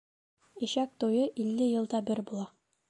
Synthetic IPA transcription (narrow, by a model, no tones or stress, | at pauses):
iɕæk̚t̪ujɤʔilːɘjɤ̆lˠd̪ɑbɘɾbulˠɑ